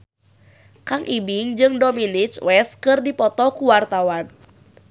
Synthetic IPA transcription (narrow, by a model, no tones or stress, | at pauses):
kaŋʔibiŋd͡ʒɨŋdominit͡ʃwʔɛs̚kɨrdipɔt̪ɔkuwart̪awan